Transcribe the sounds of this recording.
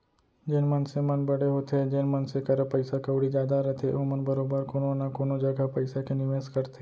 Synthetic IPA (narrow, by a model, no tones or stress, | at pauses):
d͡ʒɪnmənsemɐnbɐɽeɦoːt̪ed͡ʒɪnmənsekɐɾəpəɪsakəʊɽid͡ʒjaːd̪aɾɛɦt̪ʰeʔomənbɐɾoːbəɾkoːnonakoːnod͡ʒɐɡapɐɪsakenɪʋeːskɐɾt̪e